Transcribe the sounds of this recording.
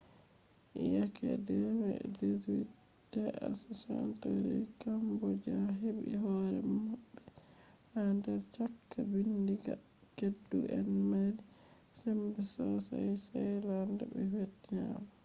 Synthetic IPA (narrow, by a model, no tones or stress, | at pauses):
ʔijakʰɛ̰dɛmɛ̰dizwi | dɛʔa̰sosa̰ntoɾḭkambɔd͡ʒaɦebḭɦɔɾɛ̰maɓːɛ | handɛɾt͡ʃakːabindiɡa̰ | kedːuʔɛnmadi | sɛmbɛsɔsajsajlandabɛfetːia̰ma